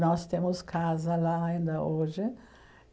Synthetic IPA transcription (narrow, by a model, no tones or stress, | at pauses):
nɔst̪ẽmʊskʰazɐlaːĩnd̪ɐʔoʒɪ